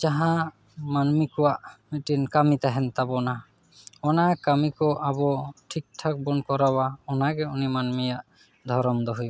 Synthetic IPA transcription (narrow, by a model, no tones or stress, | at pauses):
d͡ʒaɦã | manmikɔwaʔmiʈinkamit̪aɦɛnt̪abɔna | ɔnakamikɔʔabɔʈʰik̚ʈʰak̚bɔnkɔɾawaɔnaɡɛunimanmijaʔ | d̪ʱɔɾɔmd̪ɔɦuj